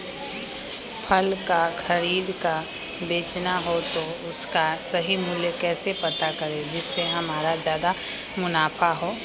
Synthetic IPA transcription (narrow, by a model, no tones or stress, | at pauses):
pʰɐlkaxɐɾiːd̪ka | beːt͡ʃnaɦot̪oʊskasɐɦimʊljəkɛːsepɐt̪akɐɾẽd͡ʒɪsːeɦɐmaːɾazjaːd̪a | mʊnaːfʰaɦoː